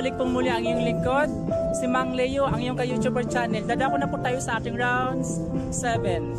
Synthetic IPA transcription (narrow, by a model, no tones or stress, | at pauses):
lɪɡ̚pʊŋmuljaʔɐŋjʊŋlɪkod̪̚simaŋlɛjoʔɐŋjʊŋkɐjut̪ubɛɹt͡ʃanɛld̪ad̪akʊnɐpʊt̪ːaːjosɐʔaːt̪ɪŋɹawnd̪s | sɛvɛn